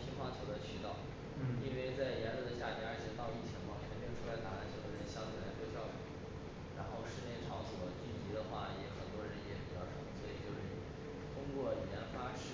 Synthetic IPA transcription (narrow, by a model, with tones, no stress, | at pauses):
t͡ɕʰi˥ŋxwa˥˩t͡ɕʰo˨˩ʊlə˧˥t͡ɕʰy˥t̪ɑ˥˩ʊ | i˥nwe˥˧ɪt͡sa˥˩ɪjɛ˧˥nlɤ˥˧˩d̪ə˧ɕja˥˩pja˥ə˞˧˥t͡ɕʰjɛ˨˩t̪ɑ˥˧ʊi˥˩t͡ɕʰi˧˥ŋmɐ˥˧t͡ɕʰɛ˧˥npji˥nʈ͡ʂʰu˥˧la˧˥ɪt̪a˧˥a˥˩nt͡ɕʰo˧˩˧ɕjɑ˥˩i˨˩a˧˥ɪt͡ɕo˥˧ɕjɑ˥˩ʊfṵ˨˩˦ | ɻa˧˥nxo˥˩ʊʂɻ̩˧˥njɛ˧˥nʈ͡ʂʰɑ˧˥ʊswɔ˨˩t͡ɕy˥˩nt͡ɕi˧˥d̪ə˧xwa˥˩jɛ˧˥xə˨˩nt̪wɔ˥ɻə˧˥njɛ˨˧˥pi˨˩t͡ɕjɑ˥˧ʊʈ͡ʂʰɤ˧˥ŋswɔ˧˥i˨˩t͡ɕjo˥˧ʊʂɻ̩˥˩ | t̪ʰʊ˥ŋkwɔ˥˩i˨˩ɛ˧˥nfa˥ʈ͡ʂʰ